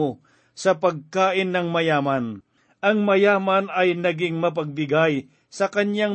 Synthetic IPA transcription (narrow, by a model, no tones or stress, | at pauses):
o | sɐpɐɡ̚kaːʔɪnːɐŋmɐjaːmɐn | ʔɐŋmɐjaːmɐnɐjnɐɡɪŋmɐp̬ɐɡ̚bɪɡaj | sɐkɐnjaŋ